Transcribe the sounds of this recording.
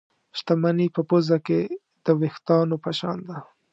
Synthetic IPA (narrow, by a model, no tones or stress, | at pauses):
ʃt̪amanipəpozake | d̪̥əwext̪ɑnopaʃɑ̰nd̪a